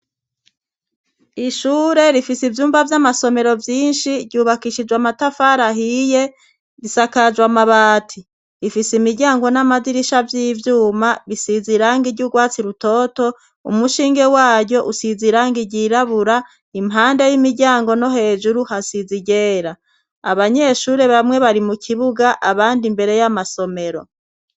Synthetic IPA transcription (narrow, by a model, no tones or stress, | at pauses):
iʃuːɾe̞ɾifisivjuːmbavjamaso̞me̞ɾo̞vjiːnʃiɾɟuːβakiʃid͡ʒwamatafaɾaɦije̞ | βisakad͡ʒwamaβaːtʰi | ɾifisimiɾɟaːŋɡo̞namaziɾiʃavjiːvjuːmaβisiziɾaŋɡiɾɟuɡwaːt͡siɾuto̞to̞ | ṵmuʃiːŋɡe̞waːɟo̞ʔusiziɾaːŋɡiɟiɾaβuɾa | imɦaːndajimiɟaːŋɡo̞no̞ɦe̞ːʒuɾuhasiziɟeːɾa | a̰βaɲe̞ʃuːɾe̞βamŋwe̞βaɾimukʰiβuɡaʔaβaːndimbe̞ɾe̞jamaso̞me̞ɾo̞